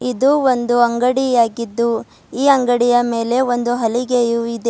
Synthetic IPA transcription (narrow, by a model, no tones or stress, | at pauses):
id̪uond̪uɐŋɡɐɽijaːɡid̪ːu | iːɐŋɡɐɽijɐme̞ːle̞o̞nd̪uɦɐliɡejuid̪e